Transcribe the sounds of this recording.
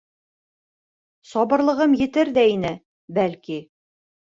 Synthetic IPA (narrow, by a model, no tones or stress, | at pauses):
sɒβɤ̆ɾlˠɤ̆ʁɤmjɘ̆t̪ɘɾðæinɘ | bælki